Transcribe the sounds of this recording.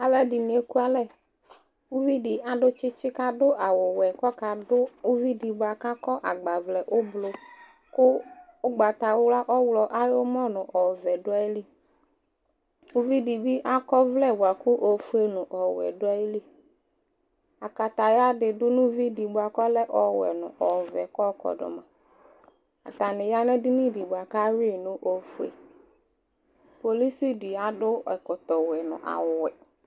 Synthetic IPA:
a˨lɛ˦di˨nĩ˨e˦ku˦a˨lɛ˦˨ | u˦vi˦di˨a˨ɖʊ˦t͡ʃɪ˦t͡ʃɪ˦ka˦dʊ˦ʔa˨wʊ˨wɛ˨kɔ˦ka˨dʊ˦u˦vi˦di˨bʊ˦a˨ka˦kɔ˦ʔa˨ɡ͡ba˨vlɛ˨ʔʊ˦blo˨ | kʊ˦ʊ˦ɡ͡ba˨t̪a˨wla˦ʔɔ˦wlɔ˨ʔa˦jo˦mɔ˦nʊ̃˨ʔɔ˨vɛ˨ɖʊ˦a˦i˦li˦ | u˦vi˦di˨bi˦ʔa˦kɔ˦vlɛ˦˨wa˨ku˦ʔo˨fu˦e˦nʊ̃˨ʔɔ˨wɛ̰˨dʊ˦a˦ji˦li˦ | a˨ka˨ta˨ja˦dɪ˨dʊ˦nʊ̃˦vi˦di˨bʊ˨a˨kɔ˦lɛ˦ʔɔ˨wɛ̰˨nʊ̰̃˨ʔɔ˨vɛ˨kɔ˦kɔ̰˨dʊ̰˨mã̰˨ | a̰˨ta˨nɪ˨ja˦nɛ˦dʊ˦ni˦˨di˨bʊ˨a˨ka˦ɾi˦nʊ̃˦ʔo˨fu˨ḛ˨ | po˨li˦si˦di˨a˨dʊ˦ɛ˨kʊ˨t̪ɔ˨wɛ˨nʊ̰̃˨ʔa̰˨wwɛ˨

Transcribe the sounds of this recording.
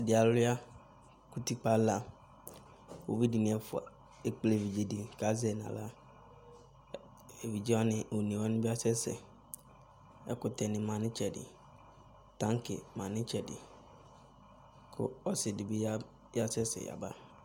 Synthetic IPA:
a˨dɪ˨a˨lʊ˦a˦ | ku˦ti˦k͡pa˦la˦ | wo̰˨bi˦di˨nĩ˨ɛ˨fʊ˨a̰˨ | e˦k͡ple˨vi˨d͡ʒe˨dɪ˨ka˨˦zɛ˨nã̰˨la˦ | e˨vi˨d͡ʒi˦wa˦nɪ̃˨o˨nĩ˨wɔ˦nɪ̃˦bɪ˦a˦sɛ˦sɛ̰˨ | ɛ̰˦kʊ˨tʰɛ˨nɪ̃˨mã˨nɪ̃˦t͡ʃʰɛ˨dɪ̰˨ | tã˦ŋ˦kʰɪ̰˨mã˨nɪ̃˦t͡ʃʰɛ˨dɪ̰˨ | kʰʊ̰˦ɔ˦sɪ˨dɪ˨bɪ˦ja˦ | ja˦sɛ˦sɛ̰˨ja̰˨ba˦

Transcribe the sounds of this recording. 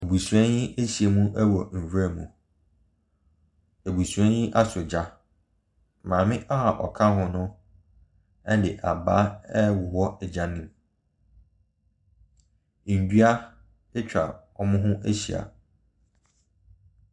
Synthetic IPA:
e˨bu˨su˨ɛ̃˦njɪ˦ʔe˦ɕi˨a˨mũ˦ʔæ˦wɔ˨m̩˨wɾa˦˨mṵ̃˨ | e˨bu˨su˨ɛ̃˦jɪ˦ʔa˦sʊ˨d͡ʑa˦ | mãː˨mɪ̃˦ʔa˦ɦa˨ʔɔ̰˨kʰã˦ɦʊ̃˨nʊ̃˦ | ɛ˦dɪ̰˨ʔa˨baː˦ɛ˦wʊ˨hɔ˦ɛ˨d͡ʑa˨nĩ˦m˨ | n̩˨dɥa˦ | ɪ˦t͡ɕᶣa̰˨ɔ˦mʊ̃˦ɦʊ̃˦ʔæ˦ɕi˨a̰˨

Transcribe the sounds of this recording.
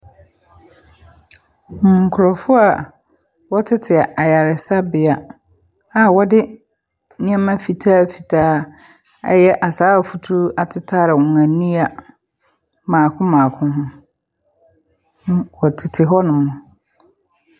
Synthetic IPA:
m̩˨ŋ̩˨kʰʊ˨ɾɔ˨fʊ˦a˨ | wɔ˦tʰɪ˦tʰɪ˨a˨ʔa˨ja˨ɾɪ˨sa˦bɪ˨a˨ | a˨wɔ˦dɪ˦ | nĩ˦ã˦mã˦fi˨tʰaː˦˨fi˨tʰaː˦ | ɛ̰˦jɛ˦ʔa˨saː˦˨fu˨tʰu˦a˨tʰɪ˦tʰaː˦ɾɪ˨wɔ̃˨ã˨nũ˦a˨ | mãː˨kʰʊ̃˦mãː˨kʰʊ̃˦ɦʊ̃˦ | nʊ̃˦wɔ˨tʰɪ˨tʰɪ˨ɦɔ˦nʊ̃˨mʊ̃˨

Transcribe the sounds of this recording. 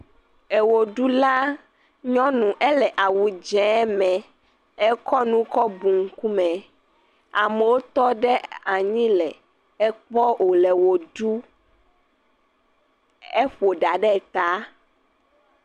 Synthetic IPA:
ɛ˨wo˨ɖu˦la˦ | ɲɔ̃˦nũ˨ʔɛ˦lɛ˨ʔa˨wu˨d͡ʒɛ̃˨˦mɛ̃˨ | ɛ˦kɔ˦nũ˦kɔ˦bu˨ŋ̩˦ku˦mɛ̃˨ | a˨mɛ˨wo˦t̪ɔ˦ɖɛ˦a˨ɲĩ˦lɛ˨ | ɛ˦k͡pɔ˦ʔo˨lɛ˨wo˨ɖu˦ | ɛ˦ɸo˨ɖa˨ɖɛ˦˨t̪a˦

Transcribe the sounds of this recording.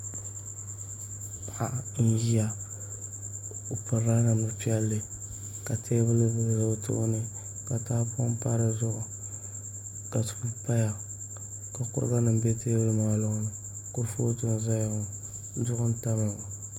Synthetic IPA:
a˨ʔa˦n̩˦ji˦ja˦ | o˨pɨ˨ɾa˦na˨nʊ˨pi˦ɛ˦lːɨ˦ | ka˨tʰeː˦bɨ˦lɨ˦bɨ˨lɾɨ˦˨tʊ̰˦ʔʊ˦nɨ˦ | ka˨taː˦po˦m˦pa˦ɾɨ˦zʊ˦ʔʊ˨ | ka˨tu̥˨bu˦pa˦ja˨ | ka˨kʊ̰˦ɾɨ̰˦ɡa˦nɨ˨m˦be˦teː˦bɨ˦lɨ˦maː˨lʊ˦ŋ˦nɨ˨ | kʊ˦ɾfo˦tʊ˦n˨za˦jŋʊ˨˦ | dʊ˦ʔʊ˦n˦ta˦mɨ˨ŋ˨

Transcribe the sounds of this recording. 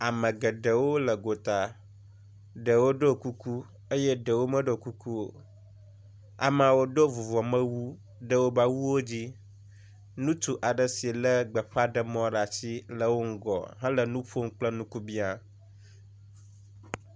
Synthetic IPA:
a˨mə̃˨ɡə˨ɖə˨wo˦lə˨ɡo˨t̪a˨ | ɖə˨wo˦ɖo˦˨ku˦ku˦ | ə˦jɛ˦ɖə˨wo˦mə̃˦ɖo˨ku˦ku˦o̰˨ | a̰˨m˦˨a˨wo˦ɖo˦vu˨vɔ˨mə̃˦wu˦ | ɖə˦wo˦ba˦wu˦wo˦d͡ʑi˦ | nũ˦t̪u˨ʔa˨ɖə˨si˨lə˦ɡ͡bə˨ɸa˦ɖə˦mɔ̃˦ɖa˨t͡ɕi˦lə˨wo˦ŋ̩˦ɡɔ̰˨ɦɛ̃˦lə˨nũ˦ɸo˦m˦k͡plə˦nũ˦ku˦bi˦a˨

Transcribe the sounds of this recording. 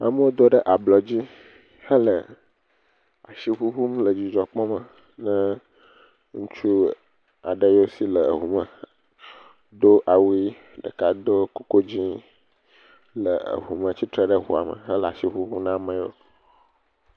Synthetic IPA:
a̰˨mə˦wo˦d̪o˦ɖə˦ʔa˨blɔ˨d͡ʑi˦ | hə˦lə˨ | a˨ʃi˦ɸu˦ɸu˦mlə˨d͡ʑi˨d͡ʒɔ˨k͡pɔ̃˦mə˨ | nə̃˦ | ŋũ˦t͡ʃu˦ | a˨ɖə˦jo˦si˦lə˨ɦu˨mə˨ | d̪o˦ʔa˨wi˦ | ɖə̰˨ka˨d̪o˦ko˦ko˦d͡ʑĩ˦ | lə̰˨ə̰˨ɦu˨mə̃˨t͡ɕi˦t̪ɾə˦˨ɖə˦ɦṵ˦a̰˨mə̰˨ɦə˦lə˨a˨ʃi˦ɸu˦ɦu˦nã˦mə̃˨jo̰˦

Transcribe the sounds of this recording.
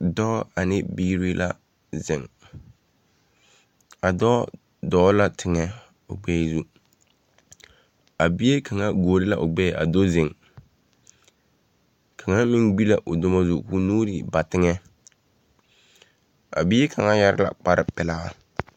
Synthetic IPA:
dɔ˦a˨nɪ˦biː˦ɾi˦lʔa̰˦˨ | zɪ˨ŋ | a˨dɔː˦ | dɔː˦la˦tʰɪ˨ŋɛ˦ | ʊ̰˨ɡ͡bɛː˦˨zu˦ | a˨bi˦e˦kʰa˨ŋa˦ɡoː˨ɾɪ˦la˨ʔʊ˨ɡ͡bɛ˦˨ʔa̰˨do˦zɪ˨ŋ | kʰa˨ŋa˦mɪ˦ŋbi˦la˨ʔʊ˨dʊ˦ma˦zu˨ku˦noː˦ɾi˨ba˨tɪ˦ŋɛ˦ | a̰˨bi˦e˦kʰa˨ŋa˦ja˦ɾɪ̰˦la̰˨k͡pa˦ɾɪ̰˦˨pɪ˨la˦a˦

